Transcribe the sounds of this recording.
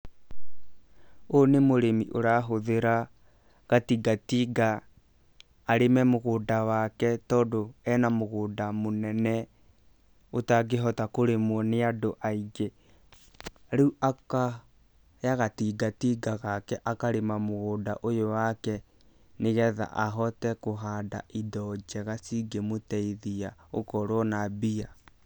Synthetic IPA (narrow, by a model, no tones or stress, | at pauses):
onemoɾemiʔoɾaɦoðeɾa | ɣatiɡatiːɡa | ɾemɛmoɣoːdawakɛtɔːdoɛnamoɣoːdamonɛnɛ | otaɡeɦɔtakoɾemwɔneadoʔaiɡe | ɾuuʔaka | jaɣatiɡatiːɡaɣakɛʔakaɾemamoɣoːdaʔojowakɛ | neɣɛða̰ʔaɦɔtɛkoɦada̰ʔidɔd͡ʒɛɣasiɡemotɛiðiaokɔɾwɔnabia